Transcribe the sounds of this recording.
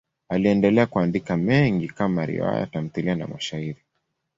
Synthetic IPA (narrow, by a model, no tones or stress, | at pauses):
aliɛndɛlɛakuandikamɛŋɡikamaɾḭa̰ja̰tam̩θiliana̰maʃaiɾi